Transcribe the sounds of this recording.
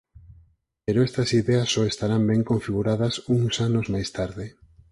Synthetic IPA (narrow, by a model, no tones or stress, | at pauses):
peɾoɛst̪ɐsiðɛɐsːɔest̪aɾambɛŋkoɱfiɣuɾaðɐsuŋsanozmajst̪aɾðɪ